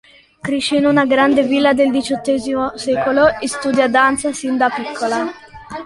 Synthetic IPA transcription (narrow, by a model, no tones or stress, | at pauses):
kɾiʃinunaɡɾand̪evilːad̪eld̪it͡ʃɔt̪ːɛːzimosɛːkoloest̪uːd̪jad̪ant̪sasind̪apikʰːola